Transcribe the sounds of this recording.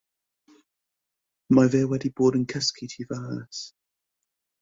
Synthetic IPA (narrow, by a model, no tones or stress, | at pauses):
maɪvɛːwɛdibɔːdə̃nkʰɛskʰitʰivaəs